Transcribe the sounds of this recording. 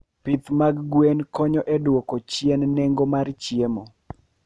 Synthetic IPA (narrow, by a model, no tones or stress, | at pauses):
pit̪maɡɡwenkɔɲɔʔɛdwɔkot͡ʃjennɛŋɡomart͡ʃjemo